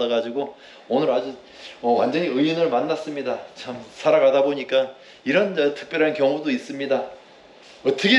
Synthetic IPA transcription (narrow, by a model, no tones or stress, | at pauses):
aɡad͡ʑiɡo | onɯɾad͡ʑu | ʌwa̰nd͡ʑʌɲiɯinɯɭmanːas͈ɯmɲidat͡ɕʰamsʰaɾaɡadaboɲik͈a | iɾʌnd͡ʑʌtʰɯ̥k̚p͈jʌɾɦankjʌŋudois͈ɯmɲida | ʌt͈ʰʌɡʰe